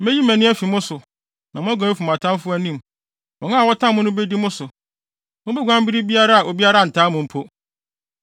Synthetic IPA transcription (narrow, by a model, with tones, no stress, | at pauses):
mɛ̃˦ji˦mæ̃˨nɪ̃˦æ˦fi˨mʊ̃˦sʊ˨ | nã˨mʊ̃˦æ˦ɡã˨˦fu˨m˨ã˨tʰã˦m˦fʊ˦æ˦nĩ˦˨m | mɔ̃˨nã˦a˨wɔ˦tʰã˦mʊ̃˦nʊ̃˦be˦di˦mʊ̃˦sʊ˨ | mʊ̃˦be˦ɡʷã˦m˦bi˦ɾi˦bi˦a˦ɾa˦a˨ʔo˨bi˦a˦ɾa˦˨n̩˨tʰaː˦mʊ̃˨m̩˦pʰo˦